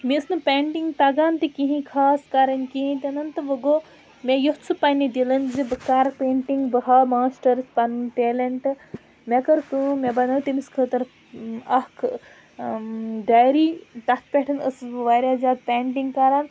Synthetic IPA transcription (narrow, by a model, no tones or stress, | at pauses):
miəsnɨpʲeːɳʈiŋɡt̪ɐɡaːnt̪ikiɦĩkʰaːskaɾɐnkiɦĩt̪iɐnɐnt̪ɨʋɐɡoː | mejoɦt͡sʰɨpɐnid̪ilɐnzibɐkaːɾpeːɳʈiŋɡbɐɦaːmaːsʈɐɾspɐnʈeːlɐɳʈ | mekɐɾt̪umebɐnɐːt̪imiskʰəːt̪ɐɾ | ɐhkʰ | ɖajɾiːt̪ɐk̚ʰpʲeʈʰɐnə̰sʋaːɾʲjaːzʲaːd̪̚pʲaːɳʈ̬iŋɡkaːɾaːn